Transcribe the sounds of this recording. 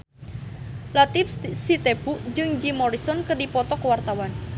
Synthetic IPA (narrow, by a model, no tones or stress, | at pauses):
lat̪ipssit̪ebuʔd͡ʒɨŋd͡ʒimɔɾisɔnkərdipɔt̪ɔkwart̪awan